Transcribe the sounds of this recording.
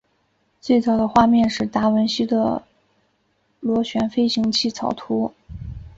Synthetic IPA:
t͡swe˥˩ɪt͡sɑ˨˩ʊd̪ə˩xwa˥˧mjɛ˥˧nʂɻ̩˥˩t̪a˥wə˧˥nɕi˥d̪ə̰˨ | lwɔ˧˥ɕɥɛ˧˥nfe˥ɪɕi˧˥ŋt͡ɕʰi˥˩t͡sʰɑ˨˩ʊt̪ʰu˧˥

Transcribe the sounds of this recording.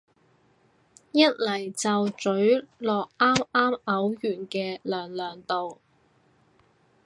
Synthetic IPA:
jɐ˥t̚lɐ˨˩jt͡sɐ˨wt͡ʃɵ˨˥ɥlɔː˨k̚ʔaː˥maː˥mɐ˨˥wjyː˨˩nkɛː˧lœː˨˩ŋlœː˨˩ŋt̪o˨w

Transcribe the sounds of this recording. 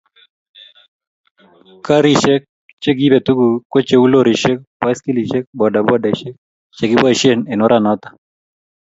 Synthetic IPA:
ka˦ɾi˦ʃɛ˦k̚ | t͡ʃɛ˦ɡi˦bɛ˨t̪u˦ɡu˨kɔ˦t͡ʃɛ˦u˦lo˦ɾi˨ʃɛ˦k̚pa˦jski˦li˨ʃɛ˦k̚bɔ˨da˨bɔ˦da˨ʃɛ˦k̚ | t͡ʃɛ˨ɡi˦ba˦˨ʃɛ˦nɛ˨nɔ˦ɾʔanɔ˦t̪ḁ˨

